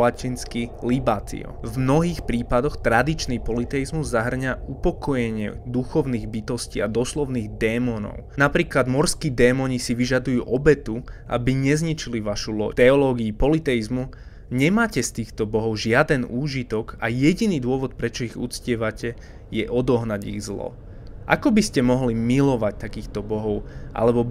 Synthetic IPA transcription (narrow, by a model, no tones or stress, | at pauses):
lacinskilibat̪ḭɔ̰vmnɔɦiːxpɾiːpad̪ɔxt̪ɾad̪it͡ʃnipɔlit̪ɛjizmuzːaɦr̩ɲaupɔkɔjɛɲɪɛ̰d̪uxɔʊniːɣbit̪ɔsciad̪ɔslɔʊniːɣd̪ɛːmɔnɔ̰ʊnapɾiːklad̪mɔɾskiːd̪ɛːmɔɲisiʋiʒad̪ujuːʔɔbɛt̪uʔa̰biɲɛzɲit͡ʃiliʋaʃulɔ̰t̪ɛɔlɔɡiupɔlit̪ɛizmu | ɲɛmaːcɛst̪iːxt̪ɔbɔɦɔʊʒɪad̪ɛnuːʒit̪ɔɡajɛɟiniːd̪ʊɔʋɔt̪̚pɾɛt͡ʃɔiɣṵt͡scɪɛʋacɛ | jɛʔɔd̪ɔɦnaɟḭɣzlɔ̰ | ʔa̰kɔbiscɛmɔɦlimilɔʋac̚t̪akiːxt̪ɔbɔɦɔʊʔa̰lɛbɔ